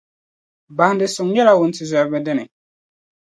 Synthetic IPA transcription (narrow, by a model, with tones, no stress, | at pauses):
ba˨n˦dɪ˨sʊ˨ŋɲɛ˦la˦wʊ˨n̩˦tɪ˨zɛ˨bɛ˦dɪ˦nɪ˨